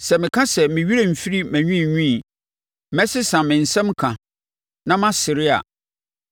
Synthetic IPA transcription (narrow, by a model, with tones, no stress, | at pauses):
sɛ˨mɪ̃˨kʰã˦sɛ˨mɪ̃˨ɥi˦ɾe˨m̩˨fi˦ɾi˦mæ̃˨ɲᶣũ˦ĩ˨ɲũ˦i˨ | mɛ̃˦sɪ˦sã˨mɪ̃˨n̩˨sɛ̃˦mkʰã˨ | nã˦mã˦sɪ˨ɾɪ˦a̰˨